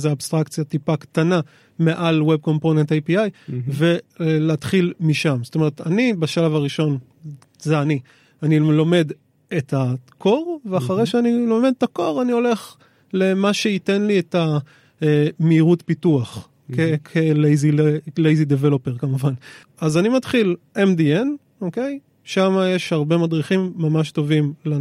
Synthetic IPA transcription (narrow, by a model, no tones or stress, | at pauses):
zeaːbst̪ʁakt͡sjatipakt̪ana | me̞ʔalweb̚ko̞mponentejpiajve̞leatχilmiʃamzot̪o̞me̞ʁet̪anibaʃalavaʁiʃo̞n | zeani | anilo̞me̞d | etʰakʰo̞ʁveaχaʁejʃeanilo̞me̞d̪tako̞ʁanio̞le̞χ | le̞maʃe̞ite̞nlieta | emeːʁutpituaχ | kekʰelejzielejzidevelo̞peʁkamuvan | azanimatχilʔemdie̞n | oke̞j | ʃamajeʃhaʁbe̞madʁiχimːamaʃto̞vimla